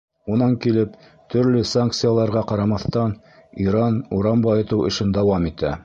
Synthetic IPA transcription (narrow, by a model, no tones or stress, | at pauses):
unɑŋkilɘp | t̪ʰɵ̆ɾlɵsaŋk̚t̪sɨjalˠɑɾʁɑqɑɾɑmɑθt̪ɑn | iɾɑnuɾɑmbɑjɤ̆t̪ɤwɘ̆ʃɘnd̪ɑwɑmit̪æ̰